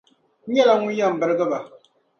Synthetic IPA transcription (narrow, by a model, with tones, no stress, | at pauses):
ɛ˦la˨ŋu˦ja˦˨m̩˨bə˨ɾɡə˦ba˨